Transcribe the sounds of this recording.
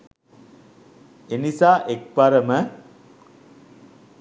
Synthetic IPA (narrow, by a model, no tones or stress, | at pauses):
enisaːʔek̚paɾəmə